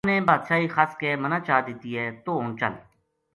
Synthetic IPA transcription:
nẽːbaːd̪ʃaːixaːskemənaːt͡ʃaːd̪it̪iɦɛːt̪oːʊnt͡ʃə̰l

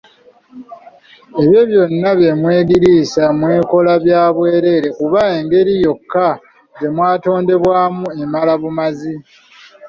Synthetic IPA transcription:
e̞βjo̞βjo̞nːaβje̞mwe̞ːɡiɾiːsamwe̞ːko̞laβjaːβwe̞ːɾe̞ɾe̞kuβae̞ːŋɡe̞ɾijo̞kːa | d͡ʒe̞mwaːto̞ːnde̞βwaːmue̞malaβumazi

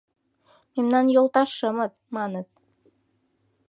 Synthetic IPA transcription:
memnɑnjolˠt̪ɑʃɤ̆mɤð | mɑnɤ̆ð

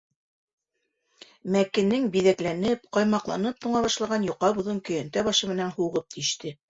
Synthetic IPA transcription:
mækɘ̆nɘŋbiðæklænɘpqɑjmɑqlˠɑ̰nɤp̚t̪uɴɑβɑʃlˠɑʁɑnjuqːɑbŭðɤŋkɵ̆jænt̪æβɑʃɤmɘ̆nænhuʁɤp̚t̪iɘ̆ʃt̪ɘ

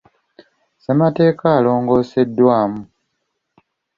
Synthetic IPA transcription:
semate̞ːkaːlo̞ːŋɡo̞ːse̞dːwaːmu

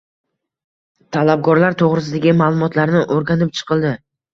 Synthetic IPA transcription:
t̪ʰalab̚ɡɒɾlaɾt̪ʰoʁɾɪs̬ɪd̪aɡʲɪmaːlˠʊmɒt̪laɾnɪʔoɾɡʲanɪp̚t͡ʃʰɨ̥qʰɨlˠd̪ɪ

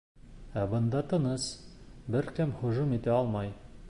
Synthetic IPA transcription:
æbɤ̆nd̪ɑt̪ɤ̆nɤsbɘɾkɘmχŏʒumit̪æɒlˠmɑj

